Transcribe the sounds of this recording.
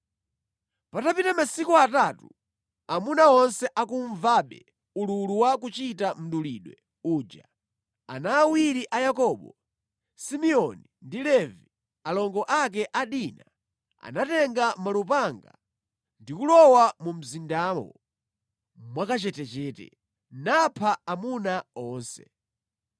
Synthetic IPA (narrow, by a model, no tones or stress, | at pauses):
patapitamasikuataːtu | amunaɔnsɛʔakuɱvaːɓɛ̰ | ululuwakut͡ʃitam̩ɗuliːɗwɛ | uːd͡ʒa | a̰naːwiɾiʔajakɔːɓɔ | simɛɔnindilɛvi | alɔŋɡɔʔak̬ɛʔaɗina | a̰natɛŋɡamalup̬aŋɡa | ndikulɔwamum̩zindamɔ̰ | mwakat͡ʃɛtɛt͡ʃɛːtɛ̰ | napʰaamunaɔːnsɛ̰